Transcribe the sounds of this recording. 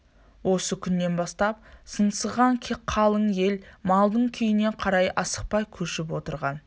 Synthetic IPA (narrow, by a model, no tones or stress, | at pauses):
wo̞səkʲʰʏnːe̞nbɑst̪ɑp̚sənsəʁɑŋkʲʰeqʰːɑlˠəɴje̞lmɑlˠd̪əɴkʲʰʏjɪne̞qʰɑɾɑjʔɑsə̥q̚pɑjkʲʰɵʃɪpwo̞t̪əɾʁɑn